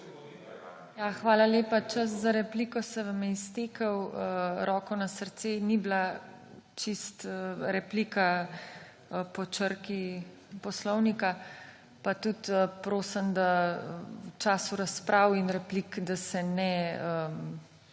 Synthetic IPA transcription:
jaxʋaːlaleːpat͡ʃɐs̬zaɾɛplikɔsɛʋamjɛist̪eːkɐwəɾɔːkɔnasəɾt̪senibla | t͡ʃist̪əɾɛpliːka | pɔt͡ʃəɾki | pɔslɔwnika | pat̪ut̪əpɾoːsəmd̪a | wt͡ʃaːsuɾaspɾʔaːwinɾɛplikd̪asɛnɛəm

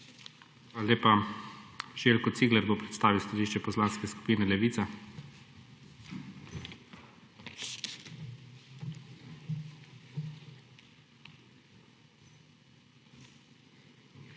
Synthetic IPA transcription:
xʋalaleːpa | ʒeːlkɔt̪siːɡlɛɾboːpɾɛt̪st̪aːʋiwst̪aliːʃt͡ʃɛpɔzlaːnskɛsku̥piːnɛlɛʋiːt̪sa

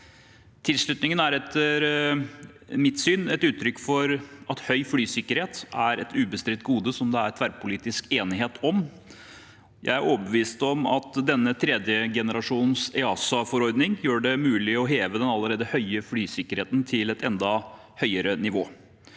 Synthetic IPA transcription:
t̪ʰɪlslʉt̪nɪŋənæɾɛt̪əɾ | mɪt̪syːnɛt̪ʉːt̪ʰːɾʏkːfɔɾʔɑt̪hœʏflyːsɪkːəɾheːt̪æɾɛt̪ʉːbəst̪ɾɪt̪̚ɡuːd̪əsɔmd̪ɛæɾt̪ʰʋæɾpʰʊliːt̪ɪskeːnɪɦeːt̪ʰɔm | jʔæ̰ɪæɾʔoːbəʋiːst̪ɔmɑt̪d̪ɛnːət̪ʰɾɛd̪jəɡɛnəɾɑʂuːnn̩sɛɑːsɑfɔɾɔɾd̪nɪŋjøːɖɛmʉːlɪɔɦeːʋəd̪ɛnɑlːəɾeːd̪əhœʏəfɽyːsɪkːəɾheːt̪nt̪ʰɪlɛt̪ɛnd̪ɑ | hœʏəɾənɪʋoː

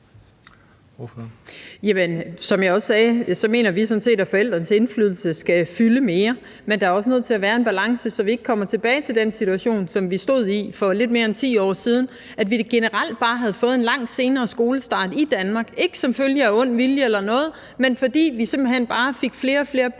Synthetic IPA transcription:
jæmənsɒ̽mjɑ̈ɪɒ̽ssɛːsɒ̽me̝̰ːnɐʋisɔ̽nse̝̰ːdæfɒ̽el̰d̥ʁɐnəse̝nflyðˠl̩səsɡ̥æfyləme̝ːɐ | mend̥ɑæɐɒ̽sənøð̰ˠt͡sʰe̝læʋæːɐe̝nb̥ælɑ̈ŋsəsɒ̽ʋie̝ɡ̥əkʰɒ̽m̰ɐt͡sʰe̝b̥ɛːɪt͡sʰe̝ld̥en̰sit͡sʰuæɕo̝̰ːnsɒ̽mʋisd̥o̝ð̞̰ˠifɒ̽le̝d̥̚me̝ːɐent͡sʰḭːɒ̰ːsiːð̞ˠn̩ | ʔæd̥ʋiɡ̥e̝nəʁal̰d̥̚b̥ɑ̈ːɦæð̞̩ˠfɔ̽ːð̞̩ˠenlɑ̈ŋ̰̥se̝ːnɐːsɡ̥o̝ːləsd̥ɑ̈ːd̥id̥ænmɑ̈ːɡ̥e̝ɡ̥ə̥sɒ̽mføljəæɔ̽n̰ʋiljəelɐnɔ̽ːð̞̩ˠ | menfɒ̽d̥ḭːʋise̝mb̥l̩hen̰b̥ɑ̈ːfe̝ɡ̥fle̝ːɐɒfle̝ːɐ

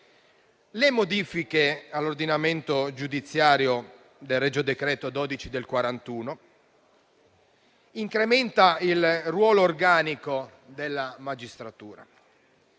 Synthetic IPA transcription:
lemod̪iːfikealːord̪inament̪od͡ʒud̪it̪sːjaːɾjo | d̪elrɛd͡ʒod̪ekɾɛːt̪od̪ɔːd̪it͡ʃid̪elkwaɾant̪uːno | iŋkɾement̪ailrwɔːloːrɡaːniko | d̪elːamad͡ʒist̪ɾat̪uːɾa̰

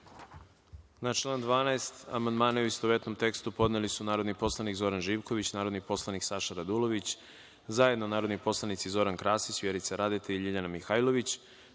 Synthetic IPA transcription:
nat͡ʃlˠand̪ʋaːnaest̪a̰mand̪maːnauist̪oʋet̪no̞mt̪e̞kst̪upo̞d̪nelisunaːɾod̪nipo̞slˠanikzo̞ɾanʒiːʋko̞ʋit͡ɕnaːɾo̞d̪nipo̞slˠaniksaʃaɾad̪ulˠo̞ʋit͡ɕ | zaje̞d̪no̞naːɾod̪nipo̞slˠanit̪sizo̞ɾankɾaːsit͡ɕʋjeɾit̪saɾad̪et̪ʰeiʎiʎanamixaːjlˠo̞ʋit͡ɕ

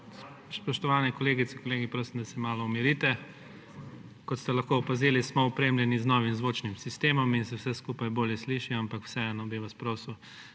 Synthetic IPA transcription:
s | spɔʃt̪ɔʋaːnɛkɔleːɡit̪ɛkɔleːɡipɾoːsimd̪asɛmaːlɔɔmiɾiːt̪ɛ | kɔt̪st̪ɛlɐxkoɔpaziːlismɔɔpɾeːmljɛniznɔːʋimzʋot͡ʃnimsist̪eːmɔminsɛwsɛskuːpajboːljɛsliːʃiɔampakw̥sɛɛnɔbiʋaspɾoːsuw

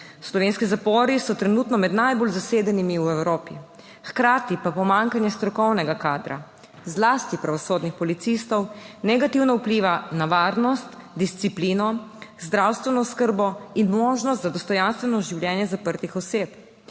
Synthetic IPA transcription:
slɔʋeːnskizapɔːɾisɔt̪ɾɛnuːt̪nɔmɛd̪najbolzaseːd̪animiwɛwɾoːpi | xkɾaːt̪ipapɔmaŋkanjɛst̪ɾɔkɔwnɛɡakaːd̪ɾa̰ | zlaːst̪ipɾaʋɔsoːd̪nixpɔlit̪sist̪ɔwnɛɡat̪iwnaupliːʋanaʋaɾnɔst̪d̪ist̪sipliːnɔzd̪ɾawst̪ʋɛnɔskəɾbɔinmɔːʒnɔst̪zad̪ɔst̪ɔjanst̪ʋɛnɔʒiwljɛːnjɛzapəɾt̪ixɔseːp

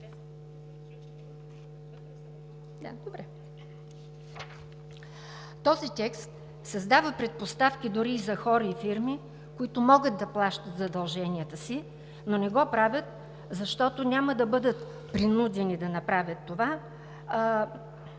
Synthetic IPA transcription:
d̪ad̪obɾɛ | t̪ɔzit̪ɛkst̪ | sɐzd̪avəpɾɛt̪̚post̪afk̟id̪ʊɾiːzɐxɔɾəifiɾmi | koit̪ʊmɔɡət̪̚d̪ɐplˠaʃt̪ət̪zɐd̪ɐlˠʒɛniət̪əsi | nonɛɡɔpɾavʲət̪̚ | zɐʃt̪ɔt̪onʲaməd̪ɐbɤd̪ət̪ | pɾinud̪ɛnid̪ɐnɐpɾavʲət̪ːova

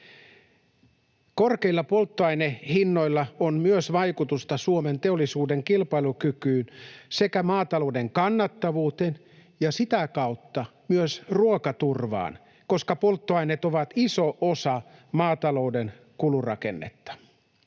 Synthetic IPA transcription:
korkeilːɑpo̞lt̪ːoɑjnehinːoilːɑonmyøsʋɑjkut̪ust̪ɑsuoment̪eolːisuːdeŋkilpɑilukykyːnse̞kæmɑːt̪ɑlo̞ude̞ŋkɑnːɑt̪ːɑʋuːt̪en | jɑsit̪ækɑut̪ːɑmyøsruokɑt̪urʋɑ̰ːn | ko̞skɑpolt̪ːoɑinet̪oʋɑt̪isoʔosɑmɑːt̪ɑlo̞uden | kulurɑ̰ke̞̰nːḛt̪ːɑ̥

